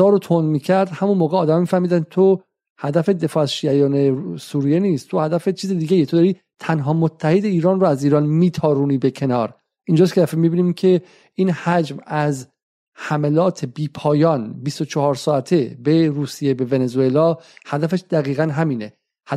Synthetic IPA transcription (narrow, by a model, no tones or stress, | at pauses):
ɒːɾot̪ʰonmiːcʰæɾd̪hæmunmoːɣeɒːd̪æmmiːfæhmiːd̪ænd̪̚t̪ʰo | hæd̪æfe̞d̪e̞fɒːæzʃiːæjɒːne̞suːɾije̞niːst̪t̪ʰohæd̪æfet͡ʃʰiːzed̪iːɡejet̪ʰod̪ɒːɾiː | t̪ʰænɦɒːmot̪ʰːæhed̪eiːɾɒːnroæziːɾɒːnmiːt̪ʰɒːɾuːniːbe̞cʰe̞nɒːɾ | ind͡ʒɑːskʰed̪æfemibiːnimcʰe̞ | iːnhæd͡ʒmæz | hæmelɒːt̪ʰe̞biːpʰɒːjɒːnbist̪ot͡ʃʰɒhɒːɾsɒːæt̪ʰebe̞ɾuːsijebe̞venezue̞lɒːhæd̪æfeʃd̪æɣiːɣænɦæmiːne̞ | hæ